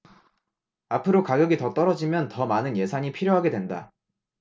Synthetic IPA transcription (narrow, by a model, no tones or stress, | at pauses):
apʰɯɾokaɡjʌɡitʌt͈ʌɾʌd͡ʑimjʌntʌmanɯnje̞sʰaɲipʰiɾjoɦaɡe̞dwe̞nda̰